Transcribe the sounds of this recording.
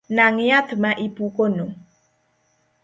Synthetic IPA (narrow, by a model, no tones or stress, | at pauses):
naŋejat̪əmaʔipukono